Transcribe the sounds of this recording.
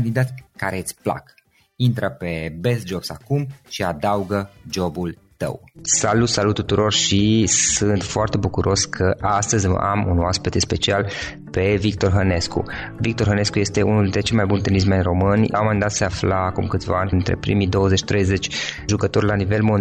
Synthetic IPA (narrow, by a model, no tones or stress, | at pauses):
nd̪id̪at̪ʲkaɾet̪sʲpla̰k | int̪ɾəpe̞besd͡ʒobsakumʃiad̪auɡəd͡ʒo̞bul | t̪ə̰wsalut̪salut̪ːut̪uɾo̞rʃisɨnt̪foart̪e̞bukuɾʔo̞skʰəʔast̪əz̰ʲa̰mṵnoaspit̪espe̞t͡ʃial | pe̞vik̚t̪o̞rɦəne̞skṵ | vik̚t̪o̞rɦəne̞skuje̞st̪e̞unuld̪ɾet͡ʃelmajbunt̪enis̬menʲro̞mɨnʲmaind̪at̪seaflaːkumkɨt̪sʲva̰anʲint̪ɾḛpɾḭmid̪o̞wəzet͡ʃt̪ɾejze̞t͡ʃʲʒukət̪o̞rʲlanive̞lmo